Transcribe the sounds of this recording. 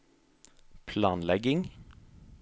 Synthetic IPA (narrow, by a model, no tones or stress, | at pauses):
pʰlɑːnlɛɡɪŋ